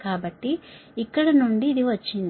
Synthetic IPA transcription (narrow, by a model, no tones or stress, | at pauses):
kaːbɐʈːiːkːɐɽɐnuɳɖiːd̪iʋɐt͡ʃːind̪